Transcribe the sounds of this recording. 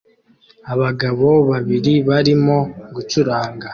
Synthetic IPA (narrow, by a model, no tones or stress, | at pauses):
aβaɡaβo̞βaβiɾiβaɾimo̞ɡut͡ʃuɾaːŋɡa